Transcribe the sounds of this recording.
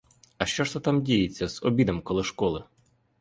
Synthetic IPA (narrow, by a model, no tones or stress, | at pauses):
ɐʃt͡ʃɔʃt̪ɛt̪ɑmdʲijɪt͡sʲːɐz̥ɔbʲid̪ɐmkɔlˠɪʃkɔlˠɪ